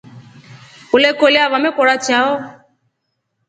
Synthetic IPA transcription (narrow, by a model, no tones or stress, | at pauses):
olekoleavamẽkɔɾat͡ʃaɔ